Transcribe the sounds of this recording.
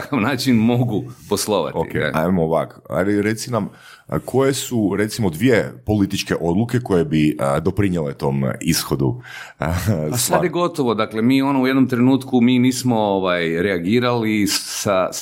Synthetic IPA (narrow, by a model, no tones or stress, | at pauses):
kaʋnaːt͡ʃinmo̞ɡuposlˠo̞ʋa̰toikkḛa̰jmoʋakʰoa̰liɾet̪sinam | kʰo̞je̞suɾe̞t̪simo̞d̪ʋije̞po̞lit̪it͡ʃke̞ʔo̞d̪lˠuke̞ko̞jebid̪o̞pɾiɲjelet̪o̞ːmisxod̪u | aad̪jeɡo̞t̪oʋo̞d̪akle̞miːo̞nouje̞d̪nomt̪ɾe̞nuːt̪kumiːniːsmo̞oʋajɾeaɡiːɾalisa